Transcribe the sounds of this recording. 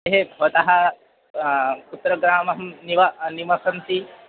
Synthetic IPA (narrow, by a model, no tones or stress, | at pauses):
eɦebʱɔt̪ɐɦɐ̆ | kut̪ːɾɐɡɾaːmɐɦɐmniʋɐnimɐsɐnt̪i